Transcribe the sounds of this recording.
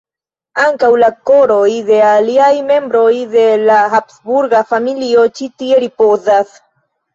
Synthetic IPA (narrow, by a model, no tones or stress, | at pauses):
aŋkawlakoɾo̞jde̞aliajme̞mbɾo̞jd̪e̞laxapsbuɾɡafamilio̞t͡ʃit̪ieɾipozas